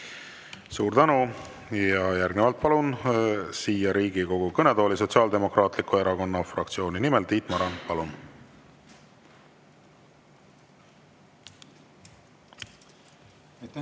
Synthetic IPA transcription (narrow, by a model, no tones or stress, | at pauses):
suːɾt̪ænu | jɑjæɾɡnevɑlt̪̚pɑlunsiːjɑɾiːɡiko̞ɡ̥ukɤne̞d̪o̞ːlis̬o̞t̪siɑːld̪e̞mo̞krɑːt̪ˑlikːue̞ɾɑko̞nːɑfrɑ̰k̚t̪sio̞ːninime̞lt̪iːt̪ˑmɑɾɑnpɑlun